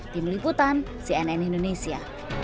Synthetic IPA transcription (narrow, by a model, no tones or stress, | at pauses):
t̪inliput̪an | siɛnɛnind̪onesia̰